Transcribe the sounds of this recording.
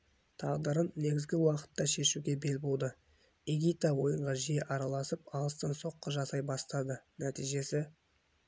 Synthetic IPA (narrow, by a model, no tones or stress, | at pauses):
t̪ʰɑʁd̪əɾənːe̞ɡʲɪzɡʲɪwɑqə̥t̪ːɑʃe̞ʃuɡʲe̞be̞lbo̞lˠd̪ə | eɡʲit̪awo̞jəɴʁɑʒieʔɑɾɑlˠɑsəpɑlˠəst̪ɑnso̞qːəʒɑsɑjbɑst̪ɑd̪ənæt̪ijʒe̞sɪ